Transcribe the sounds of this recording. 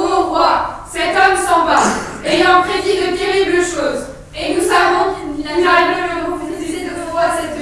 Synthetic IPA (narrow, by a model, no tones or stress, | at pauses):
ɔ̃vwasɛt̪ɔmsɑ̃baejɑ̃pχed̪id̪ət̪eʁibləʃoːz | enusavɔ̃aʁɛkɛ̃ləʁɔ̃piizized̪ɔt̪əvwasɛt̪